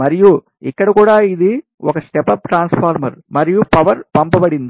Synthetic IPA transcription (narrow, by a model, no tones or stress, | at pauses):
mɐɾiju | ikːɐɽɐkuːɽaːid̪i | ɔkɐsʈɛpɐpʈɾaːnspʰaːɾmɐɾmɐɾijupɐʋɐɾpɐmpɐbɐɽind̪i